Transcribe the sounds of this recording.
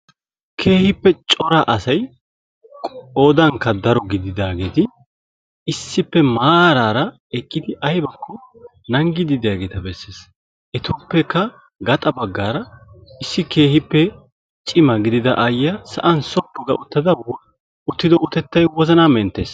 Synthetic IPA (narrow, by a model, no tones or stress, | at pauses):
kʰe̞ːhɪpːɛt͡ʃʼɔɾaʔɐsɐj | kʼoːd̪ɐŋkːɐd̪ɐɾɔɡɪd̪ɪd̪aːɡeːt̪ɪ | ɪsːɪpːɛmaːɾaːɾɐ | ɛkʼːɪd̪ɪʔɐjbɐkʰːɔ | nɐŋɡɪd̪ɪd̪ɪjaːɡe̞ːt̪ɐbɛsːeːs | ʔɛt̪oːpːɛkːɐ | ɡɐt̪ʼɐbɐɡːaːɾɐɪsːɪke̞ːhɪpːɛ | t͡ʃʼɪmɐɡɪd̪ɪd̪ɐʔɐjɐsɐ̰ʔɐnsɔpːɔɡɐʔʊt̪ːɐd̪ɐ | ʊt̪ːɪd̪ɔʊt̪ɛt̪ːɐjwɔzɐnamɛnt̪ːe̞ːs